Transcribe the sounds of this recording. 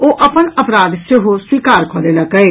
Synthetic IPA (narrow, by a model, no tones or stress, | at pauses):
oːʔɐpənɐpɾaːd̪seɦoswiːkaːɾkʰɔ̃ːlelɐɡəe